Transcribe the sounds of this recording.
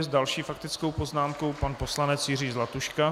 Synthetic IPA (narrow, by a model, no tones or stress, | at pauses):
zdalʃiːfakt̪ɪt͡sko̞wpo̞znaːmko̞wpanpo̞slanɛt͡sjɪriːzlat̪uʃka